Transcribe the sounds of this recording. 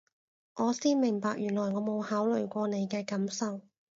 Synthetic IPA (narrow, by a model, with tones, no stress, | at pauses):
ʔɔː˨˧siː˥nmɪ˨˩ŋpaː˧k̚jyː˨˩nlɔː˨˩jŋɔː˨˧˥mo˨˧whaː˨˥wlɵ˨˩ɥkʷɔː˧ne˨˧jkɛː˧kɐ˨˥msɐ˨˧w